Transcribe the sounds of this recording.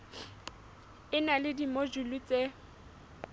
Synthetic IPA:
ɪnalɪdimod͡ʒulut͡sʼe

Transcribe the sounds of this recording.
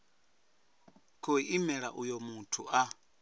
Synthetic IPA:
kʰoiʔimɛɺaʔujomutʰuʔa

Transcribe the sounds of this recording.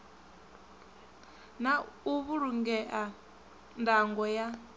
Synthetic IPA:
nauβuɾuŋɡɛʔa | ndaŋɡɔja

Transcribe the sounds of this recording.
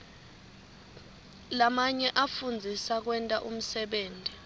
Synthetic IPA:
lamaɲɛʔafund͡zʱisak̬wɛntʼaʔum̩sɛɓeːndʼʱi

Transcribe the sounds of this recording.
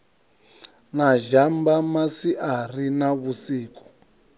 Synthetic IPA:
naʒambamasiʔarinaβusiːkɔ̥

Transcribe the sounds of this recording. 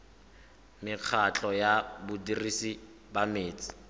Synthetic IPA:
mɪq͡χʰat͡ɬʼɔjabʊdirisi | bameːt͡sʼɪ̥

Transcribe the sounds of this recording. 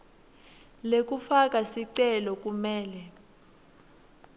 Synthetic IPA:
lek̬ʼufak̬ʼasiǀɛlɔk̬ʼumɛːlɛ

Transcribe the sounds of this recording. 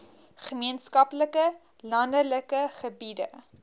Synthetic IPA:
χəmiənskɐpləkə | lɐndələkəχəbidə̰

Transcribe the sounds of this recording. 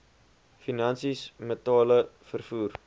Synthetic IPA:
finɐnsismətɑːləfərfuːr

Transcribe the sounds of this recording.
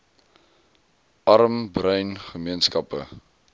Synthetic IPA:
ʔɐɾəmbrəɥnχəmiənskɐpə̰

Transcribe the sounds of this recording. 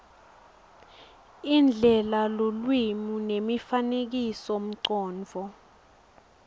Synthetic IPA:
ind͡ɮʱɛlalolwimunemifanek̬isom̩ǀɔːnd͡vʱɔ

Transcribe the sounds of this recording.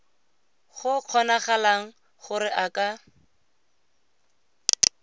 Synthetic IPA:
χʊq͡χʰɔnaχalaŋ̩ | χʊɾɪʔakʼa

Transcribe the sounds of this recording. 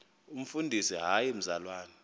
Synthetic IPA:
um̩fundʱisiɦajem̩zalwaːnɛ

